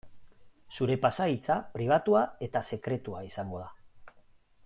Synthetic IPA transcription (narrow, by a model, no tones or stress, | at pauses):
suɾe̞pasait͡sapɾiβ̞at̪uae̞t̪ase̞kɾe̞t̪uaisaŋɡo̞ða